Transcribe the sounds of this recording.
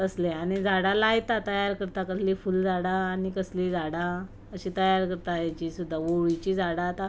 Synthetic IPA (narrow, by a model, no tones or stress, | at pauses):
əsleaɽ̃id͡zaɽalajt̪at̪əjaɾkəɾt̪akəslifuld͡zaɽaːñikəslid͡zaɽa | əɕit̪əjaɾkəɾt̪ajat͡ɕiːsud̪ʱːaʋoʋit͡ɕiːd͡zaɽat̪a